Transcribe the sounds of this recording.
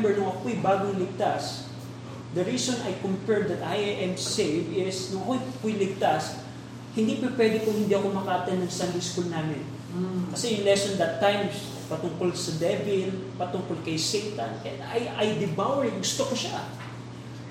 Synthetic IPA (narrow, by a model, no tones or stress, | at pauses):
bɛɹnʊŋɐkoʔjbaːɡoŋlɪɡ̚t̪as | d̪ɐɹiːsonɐjkʊmpɛɹd̪d̪ɐt̪ʔajʔɛmsejvɪsnʊŋɐkojpojlɪɡ̚t̪as | hɪnd̪ipɪpwɛd̪ɪkʊŋhɪnd̪iʔɐko̞mɐkɐʔɐt̪ɛnːɐŋsand̪ɪskulnaːmɪn | kɐsɛjʊŋlɛsond̪ɐt̪ːajm | pɐt̪ʊŋkolsɐd̪ɛvɪlpɐt̪ʊŋkolkɐjsejt̪ɐnɛd̪ɐjɐjd̪ɪbawɛɹɡʊst̪okoʃa